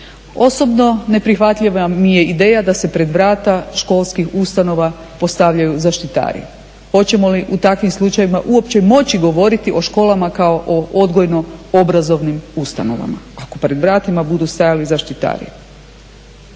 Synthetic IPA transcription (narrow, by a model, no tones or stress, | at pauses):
o̞so̞bno̞ne̞pɾixʋat̪ʎʲiʋamije̞id̪e̞ːjad̪ase̞pɾe̞d̪ʋɾaːt̪aʃko̞lˠskixust̪ano̞ʋa | po̞st̪aʋʎajuzaʃt̪it̪a̰ːɾḭ | xo̞t͡ɕe̞mo̞liʔut̪akʋimslˠut͡ʃajʋimaʔuo̞pt͡ɕe̞mo̞t͡ɕiɡo̞ʋo̞ɾit̪iʔo̞ʃko̞ːlˠamakao̞ʔoʔo̞d̪ɡo̞jno̞obɾazo̞ʋnimust̪a̰no̞ʋa̰ma̰ako̞pɾe̞d̪ʋɾaːt̪imabud̪ust̪ajalizaʃt̪it̪a̰ːɾḭ